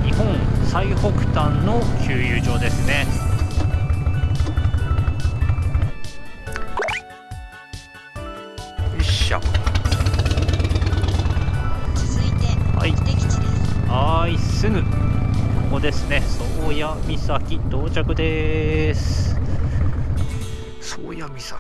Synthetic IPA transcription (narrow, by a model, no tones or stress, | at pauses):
ɲihõ̞ɴ̃saiho̞kɯ̟̥t̪ãnːo̞kʲʰɨːjɯːʑo̞ːd̪e̞sɨne̞ | iɕa̰ | kʲizɨit̪eha̰iid̪eaisɨŋɯ̟ | kod̪e̞sɨne̞soːjamʲisakʲit̪oːt͡ɕakɯ̟d̪e̞sɨ̥ | so̰ːjamʲisa